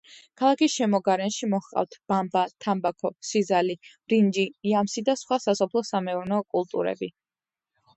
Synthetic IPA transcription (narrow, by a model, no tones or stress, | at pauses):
kʰalˠakisʃɛmɔɡaɾɛnʃimɔχqʼa̰ft̪ʰb̥ambat̪ʰambakʰɔsizali | ɾind͡ʒiːamsid̪asχwasasɔpʰlˠɔsamɛuɾnɛɔkʼulˠt̪ʼṵɾɛ̰bi